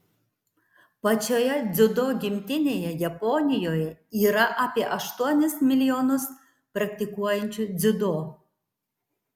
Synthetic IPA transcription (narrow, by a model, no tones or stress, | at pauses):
pɐt͡ʃʲoːjɛd̪zʲʊd̪oːɡʲɪmʲt̪ʲɪnʲeːjɛjɐpɔnʲɪjoːjɛiːɾɐʔaːpʲiɛʔɐʃt̪uɔnʲɪsmʲɪlʲɪjoːnʊs | pɾɐkt̪ʲɪkuɔjɛnʲt͡ʃʲʊd̪zʲʊd̪oː